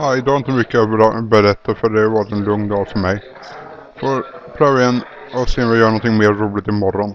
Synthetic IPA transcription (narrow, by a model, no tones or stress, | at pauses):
aːɪd̪ɑːhɾɪnt̪mʏkːəbəɾɛt̪ʰːafœɖɛvɑːɾɪt̪ɛnlɵŋnd̪ɑːlfœɾmɛj | fɔɾpʰɾœːvaən | ɔseːɔmvɪjœːɾanɔnt̪ʰɪŋmeːɾːuːlɪt̪ɪmɔɾːɔn